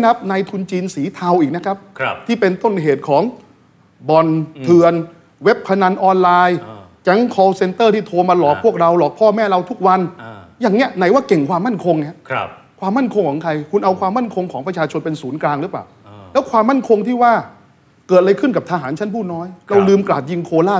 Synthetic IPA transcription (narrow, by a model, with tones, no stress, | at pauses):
ka˦˥p̚naː˧jt̪ʰu˧nt͡ɕiː˧nsiː˩˦t̪ʰa˧wʔiː˨˩k̚na˦˥kʰa˦˥p̚t̪ʰiː˥˩pe˧nt̪o˥˩nɦeː˨˩t̪̚kʰɔː˩˦ŋ | bɔ˧nt̪ʰɯ˧ən | we˦˥p̚kʰa˧na˧nʔɔː˧nlaː˧jkɛ˦˥ŋkʰɔː˧wse˧nt̪ɤː˥˩t̪ʰiː˥˩t̪ʰoː˧maː˧lɔː˨˩k̚ʰu˥˩ək̚ɾa˧wlɔː˨˩k̚pʰɔː˥˩mɛː˥˩ɾa˧wt̪ʰu˦˥k̚wa˧njaː˨˩ŋni˦˥əna˨˩˦jwaː˥˩ke˨˩ŋkʰwaː˧mːa˥˩nkʰo˧ŋni˦˥ | kʰwaː˧mːa˥˩nkʰo˧ŋkʰɔː˩˦ŋkʰɾa˧jkʰu˧nʔa˧wkʰwaː˧mːa˥˩nkʰo˧ŋkʰɔː˩˦ŋpɾa˧t͡ɕʰaː˧t͡ɕʰo˧npe˧nsuː˩˦nklaː˧ŋɾɯ˦˥paː˨˩w | lɛː˦˥wkʰwaː˧mːa˥˩nkʰo˧ŋt̪ʰiː˥˩waː˥˩ | kɤː˨˩t̪̚la˧jkʰɯ˥˩nka˨˩p̚t̪ʰaː˧ɦaː˩˦nt͡ɕʰa˦˥npʰuː˥˩t̪̚nɔː˦˥jɾa˧wlɯː˧mklaː˨˩t̪̚ji˧ŋkʰoː˧laː˥˩